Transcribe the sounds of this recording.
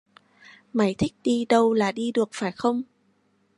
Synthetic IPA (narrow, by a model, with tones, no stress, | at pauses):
ma˧˩˦jt̪ʰï˦˥k̟̚ɗi˧ɗə˧wlaː˨˩ɗi˧ɗɨ˨˩ək̚faː˧˩jxə˧wŋ͡m